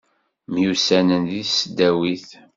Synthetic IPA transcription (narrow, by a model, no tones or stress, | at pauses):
mjusænənðiθsəd̪ːæwiθ